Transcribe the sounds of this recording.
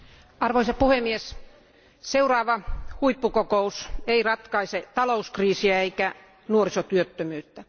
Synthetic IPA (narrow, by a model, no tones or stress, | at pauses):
ɑrʋoisɑpuhemːies | seurɑːʋɑhuipːukokouseirɑt̪kɑiset̪ɑlouskriːsiæeikæ | nuorisot̪yøt̪ːømyːt̪ːæ